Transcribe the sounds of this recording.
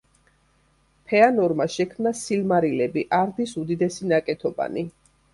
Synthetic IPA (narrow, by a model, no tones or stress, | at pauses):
pʰɛanɔɾmaʃɛkʰmnasilmaɾilɛbiʔaɾd̪isud̪id̪ɛsinakʼɛt̪ʰɔba̰ni